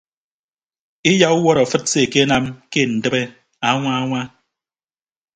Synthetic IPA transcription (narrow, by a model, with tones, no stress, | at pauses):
i˦ja˦u˦wɔ˦ɾɔ˨fɨ˦t̚se˨ke˦na˦mke˦˨n̩˨dɨ˦be˦ | a˦ŋʷa˦a˦ŋʷa˦